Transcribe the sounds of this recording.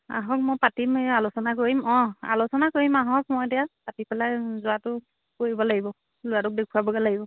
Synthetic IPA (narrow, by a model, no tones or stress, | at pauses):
a̰ɦɔk̚mojpatimjalʊsɔnakoɹimɔ̃a̰lʊsɔnakoɹimaɦɔk̚mojdɛjapatipɛlajzʊatʊ | koɹibɔlaɡibɔ | lʊjatʊk̚dekʰuabɔɡalaɡibɔ